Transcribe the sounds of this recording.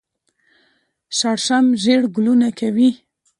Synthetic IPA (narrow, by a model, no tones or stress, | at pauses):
ʃaɽʃamʒeɽɡʊlunakʰawi